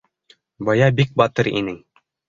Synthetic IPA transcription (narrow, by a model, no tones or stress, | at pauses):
bɑjɑbik̚bɑt̪ɤɾḭnɘŋ